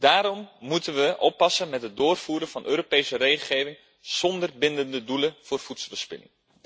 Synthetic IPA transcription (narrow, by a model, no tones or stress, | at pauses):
d̥aːɾɔmːutənʋəʔɔpːɑsənmɛtɦət̚dʊːrfuːɾəvɑnʔøːɾopejsəreχəχeːvɪŋ | z̥ɔndərbɪndəndəduləvʊːrfutsəlbəspɪ̰nɪ̰ŋ